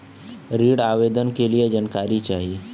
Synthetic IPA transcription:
ɾiːɽaːʋeːd̪ənkelijed͡ʒənkaːɾit͡ʃaːɦie

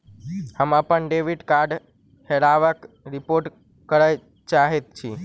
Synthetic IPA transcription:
həmãpəɳɖeʋiɖkaɾɖ | helaʋək | ɾipoɾʈ | kəɾaj | t͡ʃaɦet̪̚t͡ʃʰi

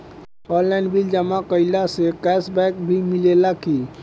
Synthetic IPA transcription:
ɔːnlɛɪnbild͡ʒəmakəɪlasekɛːsbɛːk̚bʱimɪlelaki

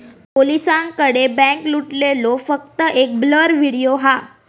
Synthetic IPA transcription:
polisãŋkəɽebɛ̃kluʈlelofək̚t̪əʔek̚bləɾʋiɽijoɦa

